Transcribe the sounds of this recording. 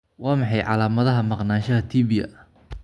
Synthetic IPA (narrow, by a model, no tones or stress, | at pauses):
wɑːmɑħɑjʕɑ̰laːmɐðɐɦɐmɑqnaːnʃɐɦɐt̪ʰiːβɪjɐ̰